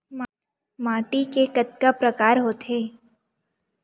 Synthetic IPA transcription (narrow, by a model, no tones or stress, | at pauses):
mː | maːʈikekɐt̪̚kapɾəkaːɾɦoːt̪ɦeː